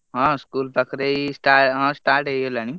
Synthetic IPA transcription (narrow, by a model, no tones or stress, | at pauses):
ɦɔ̃skuːlpəkɾeisʈaɦãsʈaːɾʈɦejolani